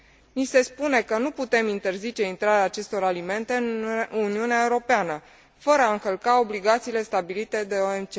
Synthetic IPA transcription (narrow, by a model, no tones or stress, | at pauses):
nise̞spune̞kənuput̪e̞mint̪e̞rzit͡ʃe̞int̪ɾaɾeaːt͡ʃe̞st̪o̞ɾalime̞nt̪e̞ɨnuniuneaeuɾo̞peanə | fəɾəaɨŋkəlkao̞bliɡat̪siːle̞st̪abilit̪e̞d̪e̞oemt͡ʃe